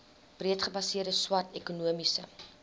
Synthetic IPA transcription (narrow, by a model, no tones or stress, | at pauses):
b̥riətχəbɐsiərdəswɐrtɛkunuəmisə̰